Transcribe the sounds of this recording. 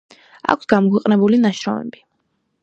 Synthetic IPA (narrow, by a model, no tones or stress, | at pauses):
a̰kʷʰsɡ̥amɔkʰwɛqʼnɛbulinaʃɾɔmɛ̰bi